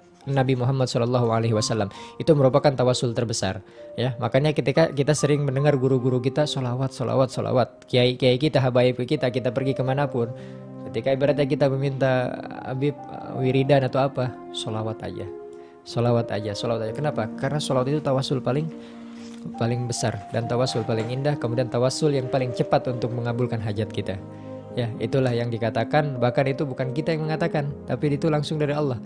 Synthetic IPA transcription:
nabimuɦamːad̪̚sɔlɔlːaɦualeɦiwasalːamit̪uməɾupakant̪awasʊlt̪ərbəsa̰rjamakaɲakət̪ikakit̪asəɾɪŋməndəŋarɡuɾuɡuɾukit̪asɔlawat̪̚sɔla̰wat̪̚sɔla̰wat̪̚kiaikiaikit̪aɦabaipkəkit̪akit̪apərɡikəmanapʊn | kət̪ikaibəɾat̪̬̚ɲak̬it̪aməmint̪aa̰bɪp̚ə̰wiɾidanat̪uapa | solawat̪a̰d͡ʒa̰ | solawat̪a̰d͡ʒasɔlawat̪̚ad͡ʒakənapakarnasɔlawat̪it̪ut̪awasʊlpalɪŋ | palɪŋbəsardant̪awasʊlpalɪŋindahkəmudiant̪awasʊljaŋpalɪŋt͡ʃəpat̪unt̪ʊk̚məŋabulkanɦad͡ʒat̪̚kit̪a | jaḭt̪ulahjaŋdikat̪akanbahkanit̪ubukankit̪ajaŋməŋat̪akant̪apidit̪ulaŋsʊŋdaɾiɑlːɔh

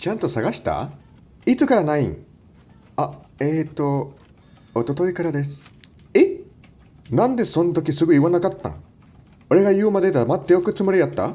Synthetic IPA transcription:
t͡ɕãnt̪o̞saɡaɕi̥t̪a̰ | it͡sɨkaɾanaḭ̃ŋ | aeːt̪ːo̞ | ot̪o̞t̪o̞ikaɾad̪e̞sɨ̥ | e | nãnd̪e̞sõ̞nt̪o̞kʲisɨɡɯ̟iβanakat̪ːã̰ŋ | o̞ɾe̞ɡajɯ̟ːmad̪e̞d̪amat̪ːe̞jokɯ̟t͡sɨmɯɾʲijat̪ːa̰

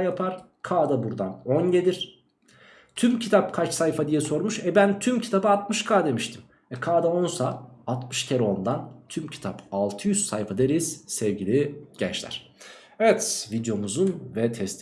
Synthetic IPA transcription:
japʰaɾ̥ | kʰaːd̪abuɾd̪anonjed̪iɾ̥ | t̪ʰymcʰit̪ʰap̚kʰat͡ʃsajfad̪ijɛso̞ɾmuʃɛbænt̪ʰymcʰi̥t̪ʰabɯat̪̚mɯʃkʰaːd̪e̞miʃt̪ʰim | ɛkʰaːd̪ao̞nsaːt̪mɯʃcʰeɾo̞nd̪ant̪ʰymcʰi̥t̪ʰapalˠt̪ʰɯjyzsajfad̪eɾiz̥sɛvɟilʲiɟ̥ɛ̰t͡ʃlʲæ̰ɾ̥ | evɛt̪vid̪jo̞muzunvɛt̪ʰɛst̪ʲ

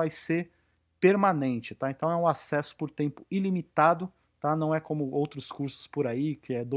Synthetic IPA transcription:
vajseɾ | peɾmanẽnt͡ʃɪt̪aẽnt̪ɐ̃w̃ɛʊ̃asɛsʊ̥poɾt̪ẽmpʊilimit̪ad̪ʊ | t̪anɐ̃w̃ɛkõmʊowt̪ɾʊskuɾsʊ̥spoɾaikɪɛd̪o

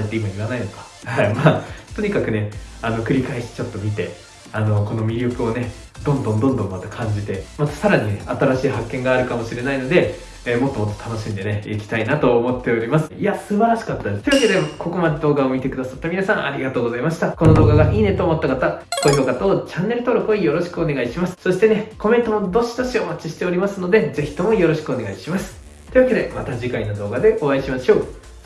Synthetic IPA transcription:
et̪ːe̞imaiβanaino̞k̪ḁ | haimaːt̪o̞ɲ̟ikakɯ̟ne̞ano̞kɯ̟ɾʲikaeɕi̥t̪e̥t͡ɕo̞t̪ːo̞mʲit̪e̞ | ano̞ko̞no̞mʲiɾʲokɯ̟o̞ne̞ | d̪õ̞nd̪õ̞nd̪õ̞nd̪õ̞mːat̪akʰãɲ̟d͡ʑit̪e̞mat̪ḁsaɾaɲ̟ineat̪aɾaɕiːɦakːẽ̞ŋɡaːɾɯ̟kamo̞ɕiɾe̞naino̞d̪e̞ | mo̞t̪ːo̞mo̞t̪ːo̥t̪ano̞ɕĩnd̪e̞neikʲi̥t̪ainat̪o̞ːmo̞t̪ːe̞o̞ɾʲimasɨ̥iasɨbaɾaɕi̥kat̪ːad̪et̪oiβaked̪eako̞ko̞mad̪e̞d̪o̞ːɡaomʲit̪e̞kɯd̪asat̪ːamʲinasãŋ̃ʔaɾʲiɡat̪o̞ːɡo̞zaimaɕi̥t̪ako̞no̞d̪o̞ːɡaɡaʔiːne̞t̪oːmo̞t̪ːakat̪ako̞ço̞ːkat̪aot͡ɕãnːe̞ɾɯ̟t̪o̞ːɾo̞kɯ̟oijo̞ɾo̞ɕi̥kɯone̞ɡaiɕimasɨ̥so̞ɕi̥t̪e̞ne̞ko̞mẽ̞nt̪omod̪o̞ɕi̥d̪o̞ɕiomat͡ɕiɕi̥t̪e̞oɾʲimasɨno̞d̪e̞d͡ze̞çi̥t̪o̞mo̞jo̞ɾo̞ɕi̥kɯone̞ɡaiɕimasɨ̥ | t̪o̞i̟βake̞d̪e̞mat̪aʑikainod̪o̞ːɡad̪e̞ʔo̞aiɕimaɕo̞ː

